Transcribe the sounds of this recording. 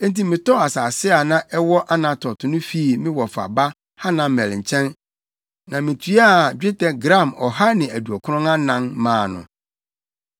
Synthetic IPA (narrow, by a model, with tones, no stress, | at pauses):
ẽ˦n˦ti˦mɪ̃˨tɔ˦a˨saː˨sɪ˦a˨nã˦ʔɛ˦wɔ˦ʔa˦nã˨tʰɔ˨tʰʊ˨nʊ̃˦fi˦˨mɪ̃˦wɔ˨fa̰˨ba˦ | ha˦nã˨mɛ˨lɲ̩˨t͡ɕʰɛ̃˦n | nã˨mɪ̃˨tʰy˦a˦˨d͡ʑᶣɪ˦tʰɛ˦ɡɾã˦˨mɔ˨ɦa˦nɪ̃˨æ˨du˨ɔ˨kʰʊ˦ʊ̃˦na˦nã˨nmãː˨nʊ̰̃˨